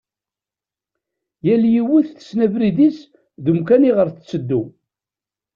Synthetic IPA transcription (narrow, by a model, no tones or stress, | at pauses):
jæljiwiθθə̥snævɾiðis | ðumkæniʁəɾθət͡sːəd̪ːu